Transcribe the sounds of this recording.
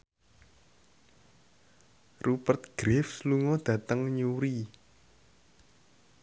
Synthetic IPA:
rupərt̪̚ɡ̥ɾefsluŋɔd̪̥ä̤t̪əŋɲuɾi

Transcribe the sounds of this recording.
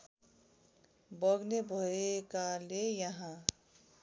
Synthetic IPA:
bʌɡnebʱoekalejʌɦã

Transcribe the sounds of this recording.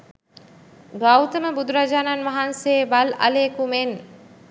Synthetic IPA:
ɡawt̪əməbud̪uɾad͡ʒaːnanʋaɦanseːbala̰leːkumen

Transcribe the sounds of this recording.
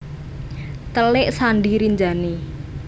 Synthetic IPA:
t̪əlɪʔsanɖiɾiɲd͡ʒani

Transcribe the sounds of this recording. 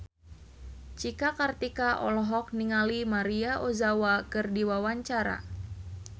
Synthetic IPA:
t͡ʃikakart̪ikaʔɔ̰lɔɦɔk̚niŋalimaɾiaʔozawakɨrdiwawaɲt͡ʃaɾa̰

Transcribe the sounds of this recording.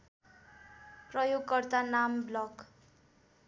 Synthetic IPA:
prʌjoɡkʌrt̪anamblʌk

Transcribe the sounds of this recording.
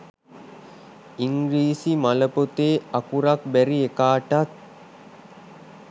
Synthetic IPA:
iŋɡɾiːsimaləpot̪eːɐkuɾɐkbæɾiekaːʈat̪̚

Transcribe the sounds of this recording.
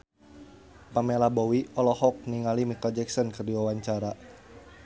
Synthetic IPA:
pamelabɔwiɔlɔhɔk̚niŋalimikɔd͡ʒɛksɔnkərdiwawaɲt͡ʃaɾa

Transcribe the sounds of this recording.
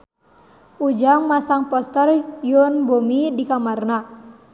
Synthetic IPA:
ud͡ʒaŋmasaŋpɔst̪ərjunbomidikamarna

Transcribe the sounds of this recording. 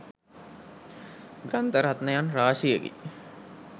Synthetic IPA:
ɡrant̪əɾat̪nəjanraːʂijəɡḭ

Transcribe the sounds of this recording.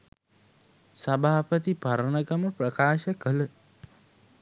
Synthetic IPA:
sɐbʱaːpət̪ipɐɾənəɡɐməprɐkaːʃəkələ

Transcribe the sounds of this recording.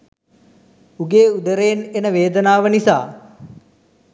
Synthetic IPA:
uɡeːud̪əɾeːnenəʋeːd̪ənaːʋənisaː

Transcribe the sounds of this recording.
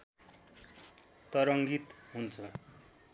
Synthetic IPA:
t̪ʌɾʌŋɡit̪ɦunt͡sʰʌ

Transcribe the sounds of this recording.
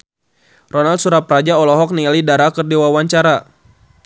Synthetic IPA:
rɔnald̪suɾapɾad͡ʒaɔlɔɦɔk̚niŋalidaɾakərdiwawaɲt͡ʃaɾa

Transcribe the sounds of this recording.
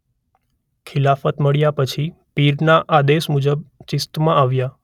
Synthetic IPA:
kʰɪlafət̪məɭjapət͡ʃʰipiɾnaʔad̪eʃmud͡ʒəb̚t͡ʃɪst̪mãaʋja

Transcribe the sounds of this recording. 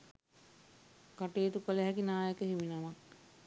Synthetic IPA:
kaʈeːt̪ukələɦɛkinaːjəkəɦiʋinamak̚

